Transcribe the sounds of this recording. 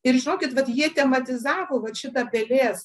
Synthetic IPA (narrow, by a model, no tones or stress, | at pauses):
ɪrʒʲɪnoːkʲɪt̪ʋɐt̪jiɛt̪ʲɛmɐt̪ʲɪzɑːʋoːʋɐt̪ʃʲɪt̪ɐpʲɛlʲeːs